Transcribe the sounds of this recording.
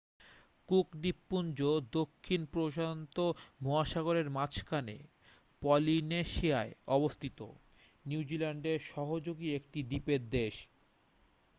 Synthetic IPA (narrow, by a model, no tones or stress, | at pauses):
kukd̪ipːund͡ʑod̪okʰːinpɾoʃaont̪omoaʃaɡoɾeɾmat͡ɕʰkʰanḛ | pɔlineʃiaeɔbost̪ʰit̪o̰ | niwd͡ʑilaɳɖeɾʃɔɦod͡ʑoɡiek̚ʈid̪ipeɾd̪eʃ